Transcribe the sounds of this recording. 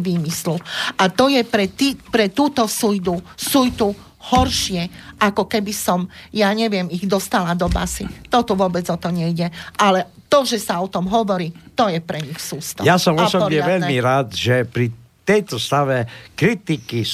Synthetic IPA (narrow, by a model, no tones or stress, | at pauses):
ʋiːmisluʔat̪ɔjɛpɾɛt̪ipɾɛt̪uːt̪ɔsujd̪usujt̪u | hɔɾʃɪɛʔakɔkɛbisɔmjaɲɛʋɪɛmiɣd̪ɔst̪alad̪ɔba̰sit̪ɔt̪uʋʊɔbɛd͡zɔt̪ɔɲɛjɟɛʔalɛ | t̪ɔʒɛsaɔt̪ɔmɦɔʋɔɾiːt̪ɔjɛpɾɛɲixsuːst̪ɔ̰jasɔmɔsɔbpɔɾɲɛaʋɛʎmiɾaːd̪ʒɛpɾi | t̪ɛjt̪ɔst̪aʋɛkɾit̪iki